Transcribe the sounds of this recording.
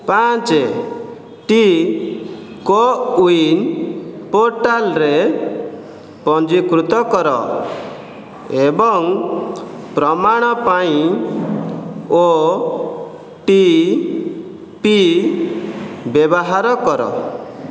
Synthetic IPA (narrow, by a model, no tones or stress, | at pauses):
pat͡ʃe | ʈi | kɔuinpoɾʈalɾe | pɔnd͡ʒikɾut̪ɔkɔɾɔ̰ | ebɔŋ | pɾɔmaɽ̃ɔpaĩ | o | ʈi | pi | bebɔɦaɾɔkɔɾɔ̰